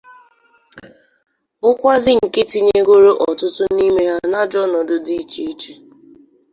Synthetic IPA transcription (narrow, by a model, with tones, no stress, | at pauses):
ʊ˦kʷa˦zɪ˦ŋ̩˨ke˦tɪ˨ɲe˦ɡʷo˦ɾo˦ʔɔ˨tʊ˦tʊ˦ni˦me˦ɦa˦na˦d͡ʒɔ˦nɔ˨dʊ˨di˦t͡ʃi˦i˦t͡ʃe˦